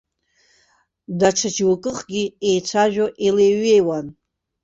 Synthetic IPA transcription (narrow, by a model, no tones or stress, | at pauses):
daʈ͡ʂʰad͡ʒwakʼɨχɡʲiejt͡sʷʰaʒᶣoʔileɥejwan